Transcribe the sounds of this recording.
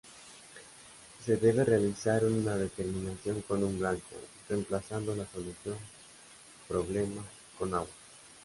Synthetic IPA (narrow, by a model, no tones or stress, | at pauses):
se̞ðe̞βe̞re̞aliθaɾunað̞e̞t̪e̞ɾmĩnaθjo̞ŋkonumblaŋko̰re̞mplasand̪olaso̞luθjo̞ŋ | pɾo̞β̞le̞mas | ko̞naɣwa